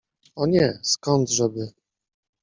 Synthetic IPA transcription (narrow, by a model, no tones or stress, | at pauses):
ɔɲɛskɔnd̪ʐɛbɘ